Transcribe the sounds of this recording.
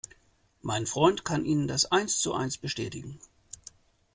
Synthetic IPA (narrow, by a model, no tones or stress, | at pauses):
maɪnfʁ̥ɔʏntkʰanʔiːnəndasʔaɪnst͡suʔa̰ɪnsb̥əʃtɛ̰ːtɪɡŋ̩